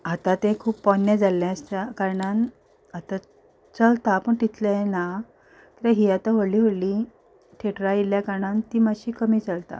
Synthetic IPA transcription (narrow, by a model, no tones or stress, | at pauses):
at̪ãt̪ẽkʰuːpːɔnjed͡zalːjasakaɾɳan | at̪a | t͡səlt̪apəɳʈit̪lena | kit̪ãɦiːat̪aʋoliːɦoɽliː | ʈʰeʈɾailjakaɾɳant̪iːmaɕiːkəmiːt͡səlt̪a̰